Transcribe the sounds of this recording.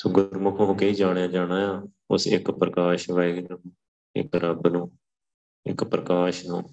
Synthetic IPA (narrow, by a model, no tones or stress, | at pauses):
sʊɡəɾmʊkʰokeiːd͡ʒaːɽjãːd͡ʒaːɽ̃aːjaː | ʊsɪkpɾəkaːʃʋɛːɡnəm | ɪ̰kɾəbnũː | ɪ̰kpɾəkaːʃnõː